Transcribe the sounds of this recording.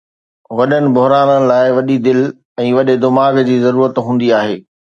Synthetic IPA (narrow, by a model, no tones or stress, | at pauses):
ʋɐɗənɪ̆bʊɦɾaːnənɪ̆laːɪʋɐɗid̪ɪl | ɛ̃ːʋɐɗɪd̪ɪmaːɡd͡ʑiːzɐɾuːɾət̪ɦũːn̆d̪iaːɦeː